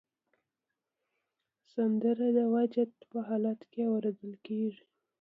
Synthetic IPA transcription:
sand̪əɾad̪əwad͡ʒat̪pəɦɑlat̪kewaɾod̪əlkeʐi

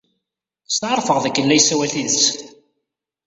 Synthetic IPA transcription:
st̪ʕəɾˤfəʁðækːəlːæjsæwæθiðt͡sː

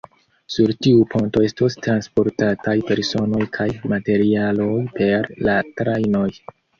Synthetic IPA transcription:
suɾtiupʰo̞nto̞e̞stostɾanspo̞ɾtatajpe̞ɾso̞no̞jkʰajmate̞ɾialo̞jpe̞ɾlatɾajno̞j

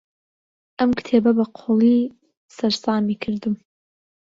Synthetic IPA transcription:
ʔɐmkt̪ʰebɐbɐqʰoːlˠi | sɐɾsɑːmikʰɨɾd̪ɨm

